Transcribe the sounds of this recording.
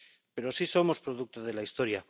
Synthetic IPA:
pe̞ɾoasiso̞mo̞spɾo̞ðuk̚t̪oð̞e̞laist̪o̞ɾja

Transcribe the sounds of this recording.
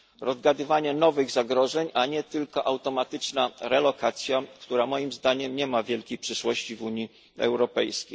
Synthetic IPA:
ɾɔzɡad̪ɘvaɲɛnɔvɘɣzaɡɾɔʐɛɲaɲɛt̪ɘlkɔʔawt̪ɔmat̪ɘt͡ʂnaɾɛlɔkat̪sʲjakt̪uɾamɔjimzd̪aɲɛmɲɛmavʲjɛlkʲejpʂɘʂwɔɕt͡ɕivuɲi | ɛ̰wɾɔpɛjskʲḛj

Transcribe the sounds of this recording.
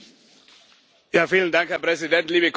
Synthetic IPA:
jaːfiːləndaŋkhɛɐpʁ̥ɛzidɛntliːbək

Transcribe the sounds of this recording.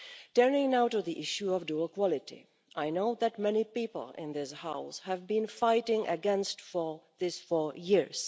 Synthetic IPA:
tɜ˞nɪ̃ŋnaʊtuðiʔɪʃjuɔvduəlˠkwɔlɪtḭ | ʔajnoʊðætmɛnipipl̩ˠɪ̰̃nðɪshaʊshævbĩnfaɪtɪ̃ŋə̰ɡɛ̃nstfɔðɪsfɔɹjɪɹs

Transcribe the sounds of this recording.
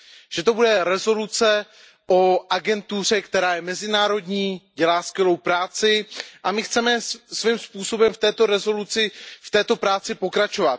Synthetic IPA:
ʒ̥ɛt̪o̞budɛɾɛzo̞lut͡sɛ | ʔoʔaɡɛnt̪ur̝ɛkt̪ɛɾaːjɛmɛzɪnaːɾo̞dɲiːɟɛlaːskvjɛlo̞wpɾaːt͡sɪʔamɪxt͡sɛmɛsvimspuːso̞bɛmft̪ɛːt̪o̞ɾɛzo̞lut͡sɪft̪ɛːt̪o̞pɾaːt͡sɪpo̞kɾat͡ʃo̞vat̪

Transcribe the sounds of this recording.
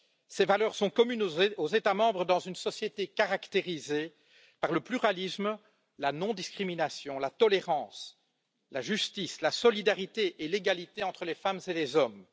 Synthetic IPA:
sevalœːʁsɔ̃kɔmynozet̪amɑ̃bʁəd̪ɑ̃zynsɔsjet̪ekaʁakt̪eʁize | paʁləplyʁalism | lanɔ̃d̪iskχiminasjɔ̃lat̪ɔleʁɑ̃ːs | laʒyst̪islasɔlid̪aʁit̪eʔeleɡalit̪eɑ̃t̪χəlefamzelezɔm

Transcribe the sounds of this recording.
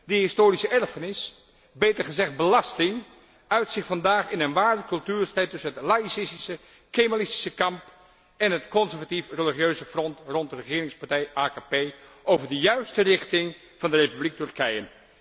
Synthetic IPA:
diɦɪstoːɾisəɛɹfənɪs | bejtəɹχəzɛχd̚bəlɑstɪŋ | œɥtsɪχfɑndaːχɪnənʋaːɹdəkɵlˠtyːɹstɛjtɵsənɦətlaːisɪstisə | kejmalɪsti̥səkɑmp | ɛnɦətkɔnzɛɹvatifreliχjøɥzəfrɔntrɔntərəχɪːɾɪŋspaɹtɛjʔaːkaːpejʔowvəɹdəjœɥstərɪχtɪŋ | v̥ɑndərejpyblik̚tɵɹkɛjən

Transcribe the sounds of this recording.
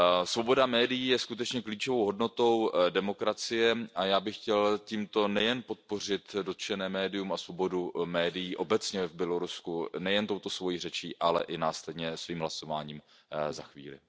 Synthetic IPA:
svo̞bo̞damɛːdɪjiːjɛskut̪ɛt͡ʃɲɛkliːt͡ʃovowɦo̞dno̞t̪o̞wdɛmo̞kɾat͡sɪjɛʔajaːbɪxcɛlciːmt̪o̞nɛjɛnpo̞t̪̚po̞r̝ɪt̪do̞t̪ʃɛnɛːmɛːdɪjumasvo̞bo̞dumɛːdɪjiːʔo̞bɛt͡sɲɛvbjɛlo̞ɾuskunɛjɛnt̪o̞wt̪o̞svo̞jirɛt͡ʃiːʔalɛ̰ʔɪnaːslɛdɲɛsviːmɦlaso̞va̰ːɲiːm | za̰xvḭːlɪ̰

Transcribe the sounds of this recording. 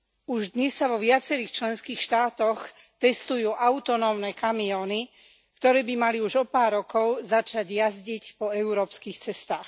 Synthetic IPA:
uʒd̪ɲɛsːaʋɔʋɪat͡sɛɾiːxt͡ʃlɛnskiːxʃt̪aːt̪ɔx | t̪ɛst̪ujuːʔaʊt̪ɔnɔːmnɛːkamiɔːni | kt̪ɔɾɛːbimaliuʒɔpaːɾːɔkɔʊzat͡ʃaɟjazɟicpɔɛʊɾɔːpskiːxt͡sɛst̪aːx

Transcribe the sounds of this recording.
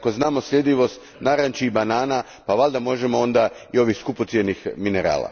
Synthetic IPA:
ko̞znaːmo̞slʎʲe̞d̪ʲiʋo̞st̪ | naɾant͡ʃibanaːna | paʋalʲd̪amo̞ʒe̞mo̞o̞nd̪aio̞ʋixskupot̪sje̞nixmineɾa̰ːla̰

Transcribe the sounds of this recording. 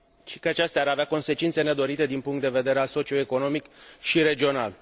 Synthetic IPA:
ʃikəat͡ʃast̪eaːɾaveako̞nse̞t͡ʃint̪se̞ne̞d̪o̞ɾit̪e̞d̪inpuŋkt̪d̪e̞ve̞d̪e̞ɾealso̞t͡ʃio̞eko̞no̞mikʃiɾe̞d͡ʒio̞na̰l

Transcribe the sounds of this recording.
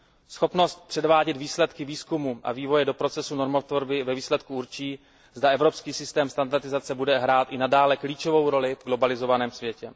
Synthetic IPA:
sxo̞pno̞st̪̚pr̝̥ɛdvaːɟɛd̪viːslɛt̪kɪviːskumuʔa̰viːvo̞jɛdo̞pɾo̞t͡sɛsuno̞ɾmot̪voɾbɪvɛviːslɛt̪kuuɾt͡ʃiː | zdaɛvɾo̞pskiːsɪst̪ɛːmst̪andaɾt̪ɪzat͡sɛbudɛɦɾaːt̪ʔɪnadaːlɛkliːt͡ʃo̞vo̞wɾo̞lɪvɡlo̞balɪzo̞vanɛːmsvjɛcɛ

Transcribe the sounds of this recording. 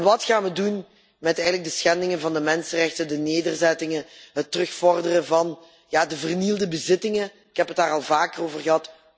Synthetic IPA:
ʋɑtxaːnʋədun | mɛtɛjɣənləɡ̚dəsxɛndɪŋənvɑndəmɛnsərɛxtəndəneːdərzɛtɪŋəɦətːərɵxfɔrdərəvɑn | jaːdəvərnilˠdəbəzɪtɪŋə | ɪkɦɛpətdaːrɑlˠvaːkəroːvərɣəɦɑt

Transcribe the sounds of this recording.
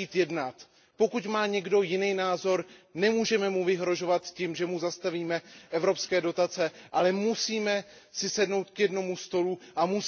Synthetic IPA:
iːt̪jɛdnat̪ | po̞kucmaːɲɛɡdo̞jɪnijnaːzo̞ɾnɛmuːʒɛmɛmuvɪɦɾo̞ʒo̞vat̪cimʒɛmuzast̪aviːmɛʔɛvɾo̞pskɛːdo̞t̪at͡sɛʔalɛmusiːmɛ | sɪsɛdno̞wt̪kjɛdno̞must̪o̞luʔamus

